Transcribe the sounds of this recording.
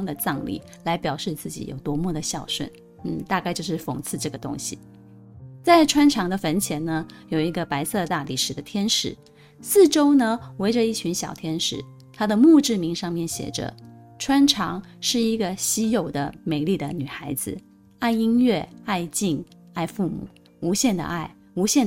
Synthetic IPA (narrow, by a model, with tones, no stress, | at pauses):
ŋd̪ə˨t͡sɑ˥˧ŋlḭ˥˩ | la˧˥ɪpjɑ˨˩ʊʂɻ̩˥˧t͡sɹ̩˥˩t͡ɕḭ˧˩jo̰˨˩ʊt̪wɔ˧˥mwɔ˥˩d̪ə˩ɕjɑ˥˩ʊʂwə̰˥˩n | n̩˥˩t̪a˥˧ka˥˧ɪt͡ɕjo˥˧ʊʂɻ̩˥˩fo˨˩ŋt͡sʰɹ̩˥˧ʈ͡ʂɤ˥˩ɡə˩t̪ʊ̰˥ŋɕi˨ | t͡sa˥˩ɪʈ͡ʂʰwa˥nʈ͡ʂʰɑ˧˥ŋd̪ə˧fə˧˥nt͡ɕʰjɛ˧˥nnə˧jo˨˩ʊi˧˥ɡə˧pa˧˥ɪsɤ˥˧t̪a˥˩li˨˩ʂɻ̩˨˩d̪ə˦t̪ʰjɛ˥nʂɻ̩̰˨˩˦ | sɹ̩˥˩ʈ͡ʂo˥ʊnə˧we˧˥ɪʈ͡ʂə˧i˥˩t͡ɕʰy˧˥nɕjɑ˨˩ʊt̪ʰjɛ˥nʂɻ̩˧˥˦ | t̪ʰa˥d̪ə˨mu˥˧ʈ͡ʂɻ̩˥˩mi˧˥ŋʂɑ˥˧ŋmjɛ˥˩nɕjɛ̰˨˩ʈ͡ʂə̰˦ʈ͡ʂʰwa˥nʈ͡ʂʰɑ˧˥ŋʂɻ̩˥˩i˧˥ɡə˧ɕi˥jo˨˩ʊd̪ə˦me˨˧˩ɪli˥˩d̪ə˩ny˨˩xa˧˥ɪd͡zɹ̩˧ | a˥˩ɪi˥nɥɛ˥˩a˥˧ɪt͡ɕi˥˩ŋ | a˥˧ɪfu˥˩mṵ˨˩˦ | u˧˥ɕjɛ˥˩nd̪ə̰˩ʔa˥˩ɪ | u˧˥ɕjɛ˥˩